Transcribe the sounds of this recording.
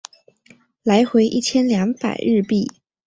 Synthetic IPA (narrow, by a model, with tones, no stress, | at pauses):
la˧˥ɪxwe˧˥ɪʔi˥˩t͡ɕʰjɛ˥nljɑ˧˥ŋpa̰˨˩ɪɻɻ̩˥˧pi˥˩